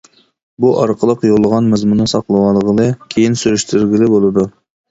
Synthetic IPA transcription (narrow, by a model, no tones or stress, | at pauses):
buʔɑɾqʰəlˠəqjolˠːəʁɑnmɨzmunɨsɑqlˠəwɑlˠəʁəlˠɨkʲʰejinsyɾyʃt̪ʰyɾɡʲilɪbolˠɨd̪u